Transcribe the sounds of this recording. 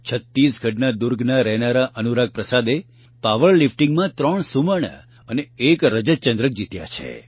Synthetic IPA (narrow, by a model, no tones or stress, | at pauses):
t͡ʃʰət̪ːisɡʱəʈnad̪uɾɡʱnaɾɛɦnaɾaʔənuɾaɡ̚pɾəsad̪e | paʋəɭlifʈiŋɡmãt̪ɾəɳsuməɳa̰ | əneekɾəd͡ʒət̪t͡ʃənd̪ɾək̚d͡ʒit̪ja̰t͡ʃʰḛ